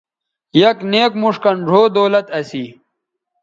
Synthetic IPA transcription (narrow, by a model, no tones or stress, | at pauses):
jɐkneːkmuʂkɐnʐʱoːd̪oːlɐt̪ɐsiː